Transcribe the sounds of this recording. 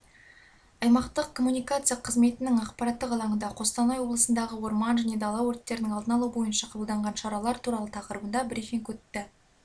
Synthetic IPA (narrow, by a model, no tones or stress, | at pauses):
ɑjmɑqt̪əqkʰo̞mːunijkat̪sɨjɑqʰəzme̞t̪ɪnɪŋɑqpɑɾɑt̪ːəqɑlˠɑɴənd̪ɑqʰo̞st̪ɑnɑjwo̞blˠəsənd̪ɑʁəwo̞ɾmɑnʒæne̞d̪ɑlˠɑwɵɾt̪ːe̞ɾɪnɪŋɑlˠd̪ənɑlˠubo̞jənʃɑqʰɑbəlˠd̪ɑɴʁɑnʃɑɾɑlˠɑɾt̪ʰuɾɑlˠət̪ʰɑqəɾəbənd̪ɑbɾifʲiŋkʲɵt̪ːɪ